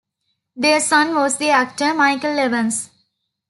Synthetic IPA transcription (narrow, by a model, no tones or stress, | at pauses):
d̪eːɾsʌ̃nʋɔːzd̪iæk̚ʈəɾmaɪkəlːeʋə̃ns